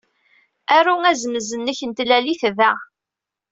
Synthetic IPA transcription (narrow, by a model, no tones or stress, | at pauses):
æɾuŋæzməzənːəçənt̪læliθvæ